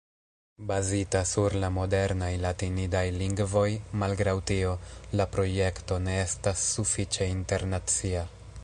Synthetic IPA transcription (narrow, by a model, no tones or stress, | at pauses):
bazitasuɾlamo̞de̞ɾnajlatinidajliŋɡvo̞jmalɡɾawtio̞lapɾo̞je̞kto̞ne̞e̞stasːufit͡ʃe̞inte̞ɾnat͡sia